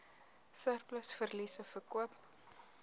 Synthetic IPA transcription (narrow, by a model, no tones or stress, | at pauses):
sərkləsfərlisəfərkuəp